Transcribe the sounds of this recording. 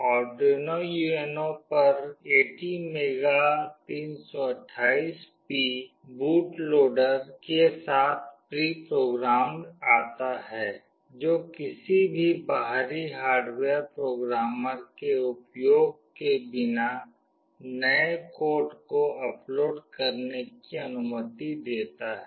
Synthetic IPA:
ɔːɾɖenojuenõpɐɾeːʈimeːɡat̪iːnsɔɐʈʰːaːiːspi | buːʈloːɖəɾkesaːt̪ʰpɾiːpɾoːɡɾaːmaːt̪aɦɛː | d͡ʒoːkɪsibʱibaɦɾiɦaːɾɖweːəɾpɾoːɡɾaːməɾkeʊpjoːɡ̚kebɪna | nəekoːɾʈkoʔɐploːɖkəɾnekiɐnʊmət̪id̪eːt̪aɦɛː

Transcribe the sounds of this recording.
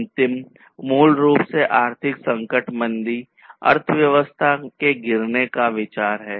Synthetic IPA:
nt̪ɪm | muːlɾuːpseʔaːɾt̪ʰɪksɐ̃ŋkəʈmə̃nd̪i | ɐ̰ɾt̪ʰʋjɐʋəst̪ʰakeɡɪɾnekaʋɪt͡ʃaːɾɦɛː

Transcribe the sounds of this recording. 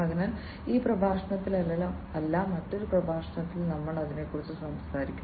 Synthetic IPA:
ɐɡɐnɐn | iːprɐbʱaːʂɐnɐt̪ːilɐllɐ | ɐlːaːmːɐtːo̞ɾuprɐbʱaːʂɐnɐt̪ːilnɐmːɐɭɐðine̞kːurit͡ɕːɨsɐmskaːɾikʲːu

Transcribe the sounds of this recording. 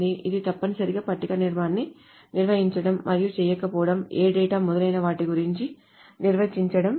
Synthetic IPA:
niʔid̪it̪ɐpːɐnisɐɾiɡaːpɐʈːikɐniɾmaːnːi | niɾʋɐɦiɲt͡ʃɐɽɐmːʔɐɾijut͡ʃɛːjɐkːɐpɔːʋɐɽɐmeːɖɛːʈaːmɔd̪ɐlɐjnɐʋaːʈiɡuɾiɲt͡ʃi | niɾʋɐt͡ʃiɲt͡ʃɐɽɐm

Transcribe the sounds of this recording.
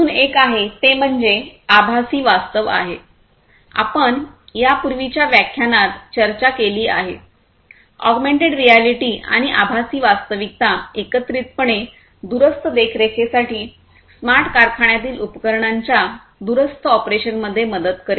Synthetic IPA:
uːnekaɦet̪em̤əɳd͡zeabʱasiːʋast̪əʋa̰ɦe | a̰pəɳjapuɾʋit͡ɕjaʋjakʰjanat̪t͡ɕəɾt͡ɕakeliːa̰ɦḛ | ɔ̰ɡmeɳʈeɖɾialiʈiːʔa̰ɽ̃iʔabʱasiːʋast̪əʋik̚t̪aekət̪ɾit̪̚pəɳe | d̪uɾəst̪ʰəd̪ekʰɾekʰesaʈiː | smaɾʈkaɾkʰaɳjat̪̬iːlupəkəɾɳaɲt͡ɕja | d̪uɾəst̪əɔpɾeɕənməd̪ʱːjeməd̪ət̪kəɾe

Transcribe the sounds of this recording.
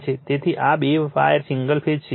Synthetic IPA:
t͡ʃʰet̪et̪ʰiʔabeʋfa̰jəɾsiŋɡəlpʰed͡ʒt͡ʃʰ

